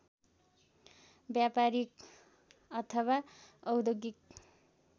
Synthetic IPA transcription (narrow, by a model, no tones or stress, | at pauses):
bjapaɾik̚ | ʌt̪ʰʌwaʌwd̪oɡik̚